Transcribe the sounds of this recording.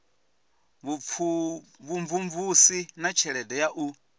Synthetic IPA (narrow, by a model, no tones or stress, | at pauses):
βufʰuβuɱvuɱvusinat͡ʃʰɛɺɛdɛjaʔu